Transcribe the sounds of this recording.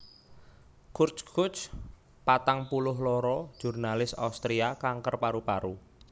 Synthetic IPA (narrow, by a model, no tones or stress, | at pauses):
kurt͡ʃkʰʊt͡ʃ | pat̪aŋpulʊɦlɔɾɔ̥ʒ̥urnalɪsa̰ust̪ɾiakaŋkərpaɾupaɾu